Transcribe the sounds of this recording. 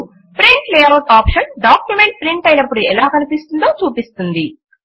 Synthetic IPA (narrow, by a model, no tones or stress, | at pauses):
pɾiɳʈleːɾoːʈaːpʂɐnɖaːkjumeɳʈ̚pɾiɳʈɐjlɐpːuɽuɛlaːkɐnipist̪und̪o̞ːt͡ʃuːpist̪und̪i